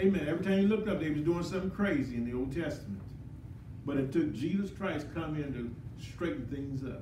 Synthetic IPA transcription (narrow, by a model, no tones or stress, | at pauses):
eɪmɛ̃nɛvɹitʰãɪ̃mjɨlʊk̚tʌp̚ðeɪwʌzdʉɪ̃ŋsʌ̃mθɪ̃ŋkʰɹ̥eɪziɨ̃nðioʊlˠd̚tʰɛstəmɨ̰̃nt | b̥ʌɾɨtʰʊk̚d̥ʒ̥izɨskʰɹ̥aɪskʰʌ̃mɪ̃ntʉstɹ̥eɪʔn̩θɪ̃ŋzʌ̰p̚